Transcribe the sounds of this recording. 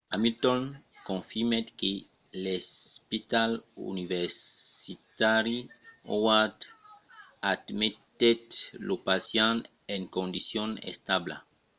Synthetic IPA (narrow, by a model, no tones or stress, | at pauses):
amilt̪onkõnfimet̪ke | lespit̪alṵniveɾsit̪aɾio̰wad̪ | ad̪met̪et̪lopasjãn | eŋkõnd̪isjõnḛst̪abla̰